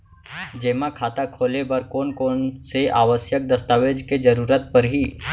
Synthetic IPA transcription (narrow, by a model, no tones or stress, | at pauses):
d͡ʒeːmakʰaːt̪akʰoːlebəɾkoːnkoːnseʔaːʋəsjək̚d̪ɐst̪aːʋeːd͡ʒked͡ʒɐɾuːɾət̪̚pɐɾɦiː